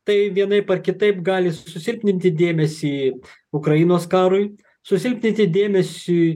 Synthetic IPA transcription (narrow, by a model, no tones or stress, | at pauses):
t̪ɐɪʋʲiɛnɐɪpɐrkʲɪt̪ɐɪpɡɑːlʲɪssʊsʲɪlʲpʲnʲɪnʲt̪ʲɪd̪ʲeːmʲɛsʲiː | ʊkɾɐjinoːskɑːɾʊɪ | sʊsʲɪlʲpʲnʲɪnʲt̪ʲɪd̪ʲeːmʲɛsʲi